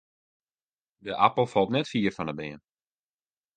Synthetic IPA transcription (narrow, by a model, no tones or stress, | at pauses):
dəʔapəlˠfɔlˠtnɛtfiːərfɔnəbɪən